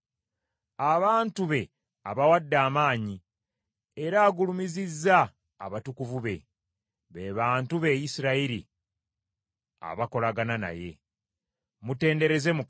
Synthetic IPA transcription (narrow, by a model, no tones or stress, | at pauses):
aβaːntuβe̞ | aβawadːaːmaːɲi | eɾaːɡulumizizːa̰ː | βatukuvuβe̞ | βe̞βaːntuβe̞jisiɾaiɾḭ | a̰βako̞laɡanana̰je̞̰ | mute̞ːnde̞ɾe̞ze̞muk